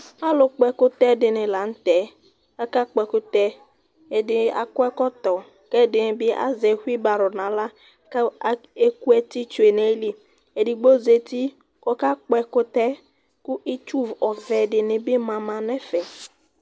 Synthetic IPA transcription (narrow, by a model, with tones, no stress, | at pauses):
a˦lʊ˨k͡pɛ˦kʊ˦t̪ɛ˦dɪ˨nɪ˨la˨n̩˦t̪ɛ˨˦ | a˦ka˦k͡pɛ˨kʊ˦t̪ɛ˦ | e˨dɪ˨a̰˨kʊ˦ɛ˦kɔ˦t̪ɔ˨ | kɛ˦dɪ˨nɪ˨bɪ˦a̰˦zɛ˨hwi˦ba˨ɾʊ˨nã˨˦la˦ | ke˦ku˦ɛ˦ti˦t͡ʃʊ˨e˨ne˦li˦ | e˨dɪ˨ɡ͡bo˦ze˨t̪i˦ | kɔ˦ka˦k͡pɛ˦kʊ˦t̪ɛ˦ | kʊ˦ʔi˦t͡ʃu˦vɔ˨vɛ˨dɪ˨nɪ˨bɪ˦mã˨mã˨nɛ˦fɛ˨